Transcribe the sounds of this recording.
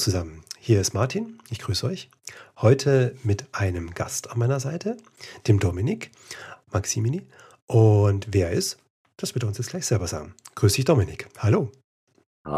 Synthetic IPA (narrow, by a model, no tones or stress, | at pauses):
t͡suzamənhiːɐɪstmaɐtʰiːnʔɪçɡ̥ʁyːsəɔʏç | hɔʏtʰəmɪtʔaɪnəmɡa̰stanmaɪnɐzaɪtʰə | d̥eːmdɔmɪnɪk | maksimili | ʔʊntv̥eːɐʔɪst | d̥asb̥ɪɐtəʊnsjɛt͡sɡ̥laɪçz̥ɛlbɐza̰ːɡŋ̩ɡ̥ʁyːsd̥ɪçd̥ɔmɪnɪkhaloː